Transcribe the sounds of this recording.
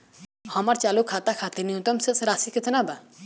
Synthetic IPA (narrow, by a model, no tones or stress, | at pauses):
hɔmaɾt͡ʃalukʰat̪akʰat̪eniũt̪ɔmsesɾasiket̪ʰnaba